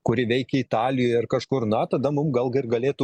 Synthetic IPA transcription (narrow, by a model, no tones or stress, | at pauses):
kʊɾʲɪʋʲɛɪkʲɛɪt̪ɑːlʲɪjoːjɪrkɐʃkʊɾnɐt̪ɐd̪ɐmʊmɡɐlˠɡʲɐɪrɡɐlʲeːt̪ʊ